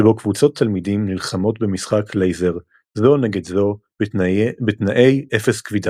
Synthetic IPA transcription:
ebo̞kvut͡so̞t̪ʰːalmidimnilχamo̞tbe̞misχakʰlejzeʁ | zo̞neɡe̞dzo | betnaʔe̞jʔefe̞skvida

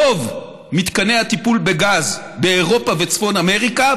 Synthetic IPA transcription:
ov | mit̪kane̞at̪ipulbeɡaz | beːʁo̞pave̞t͡sfo̞name̞ʁika

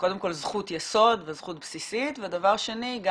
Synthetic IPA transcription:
ko̞demko̞lzχut̪jeso̞d̪vezχut̚bsisitvedavaʁʃe̞niɡ

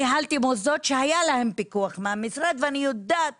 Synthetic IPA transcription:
ɦalt̪imozot̪ʃeajalahe̞mpikuaχmeamisʁad̪veanijod̪aːt̪̚

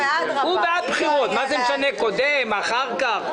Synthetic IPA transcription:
ubeapχiʁɔt̪mazɛmeʃanɛkod̪ɛmaχaʁkaʁ

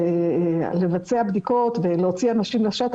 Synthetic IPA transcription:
le̞vat͡seabd̪iko̞t̪veleo̞t͡sianaʃimlaʃat̪

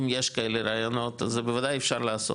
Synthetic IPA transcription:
mjeʃkaeleɾaːjonot̪azebevad̪ajefʃaɾlaaso̰

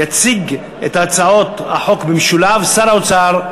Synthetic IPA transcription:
jat͡siɡ | et̪aat͡sao̞t̪a̰ħo̞kbemʃulavsaɾaot͡saʁ

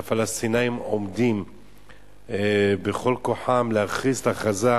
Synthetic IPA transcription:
afalast̪inaimo̞md̪im | beχo̞lko̞ħamlehaχizt̪aχaza

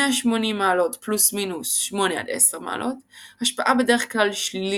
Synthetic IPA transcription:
eaʃmo̞nimːaːlo̞tplusminusʃmo̞nea̰d̪ḛseʁma̰ːlʔo̞thaʃpaʔabe̞deʁeχklalʃlil

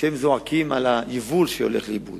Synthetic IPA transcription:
emzoakimalajivulʃejo̰leχleibṵd̪

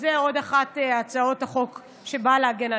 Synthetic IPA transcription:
zeo̞daχatat͡sao̞thaχo̞k | ʃe̞baleaɡena

